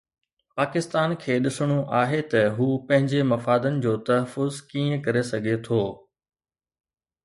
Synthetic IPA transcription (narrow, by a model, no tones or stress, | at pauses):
paːkɪst̪aːnkʰeːɗɪsɽ̃oʔaːɦet̪ɐɦuːpɐ̃ɦɪ̃ɲd͡ʑemɐfaːd̪ənɪ̆d͡ʑoːt̪ɐɦəfʊzkiːə̃kɐɾesɐɡʱet̪ʰoː